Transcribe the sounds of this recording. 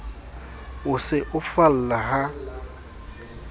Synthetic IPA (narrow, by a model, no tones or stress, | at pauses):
ʊsɪʔʊfal̩laɦa